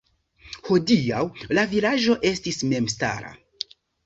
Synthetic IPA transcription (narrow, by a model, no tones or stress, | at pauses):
ho̞diawlavilaʒo̞ʔe̞stisme̞msta̰ɾa̰